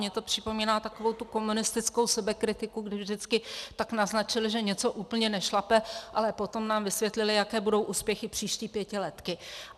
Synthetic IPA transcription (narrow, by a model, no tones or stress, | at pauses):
ɲɛt̪o̞pr̝̥ɪpo̞miːnaːt̪akovo̞wt̪uko̞munɪst̪ɪt͡sko̞wsɛbɛkɾɪt̪ɪkuɡdɪvʒdɪt͡skɪt̪aknaznat͡ʃɪlʒɛɲɛt͡so̞ʔuːpl̩ɲɛnɛʃlapɛʔalɛpo̞t̪o̞mnaːmvɪsvʲjɛt̪lɪlɪjakɛːbudo̞wʔuːspjɛxɪpr̝̥iːʃciːpjɛcɪlɛt̪kɪ